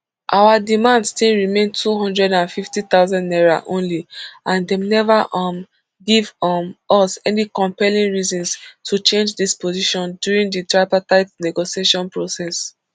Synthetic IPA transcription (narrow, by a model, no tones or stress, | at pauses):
ʔawadimãndstĩlɹimẽntʰuɦɔ̃ndɹɛdãnfiftit̪aʊzãndnɛɹa̰ʔõ̰nliãndɛmnɛvaʔm | ɡivʔɔsɛnikɔ̃mpɛlĩŋɹizɔ̃nstʰut͡ʃẽnd͡ʒdispʰoziʃɔ̃ndjuɹĩŋditɹaɪpataɪp̚nɛɡoʃieʃɔ̃npɹosɛs